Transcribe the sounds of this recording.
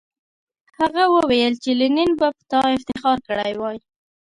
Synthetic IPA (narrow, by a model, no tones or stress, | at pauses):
haɣawəwejəlt͡ʃelɪninbapə̥t̪ɑɪft̪ɪxɑɾkəɽa̰jwɑj